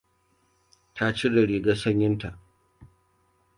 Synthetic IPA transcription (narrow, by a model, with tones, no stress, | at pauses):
tʰa˦t͡ʃi˦da˨ɽiː˨ɡaː˦sɐ˦ɲjɪ˦nta˨ʔ